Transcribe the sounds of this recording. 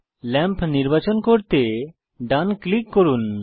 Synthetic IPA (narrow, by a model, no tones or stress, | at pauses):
lɛmpniɾbat͡ɕonkoɾt̪e | ɖanklikːoɾun